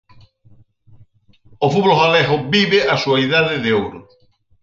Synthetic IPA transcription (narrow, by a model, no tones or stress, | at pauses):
ofuβoloɣalɛɣobiβeʔasuaiðaðɪðeowɾʊ